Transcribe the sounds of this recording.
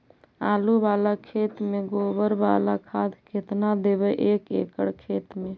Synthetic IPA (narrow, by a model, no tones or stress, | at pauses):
alubalakʰet̪meɡobəɾba̰lakʰad̪ʱkʰet̪nad̪ebeʔekḛkəɽkʰet̪me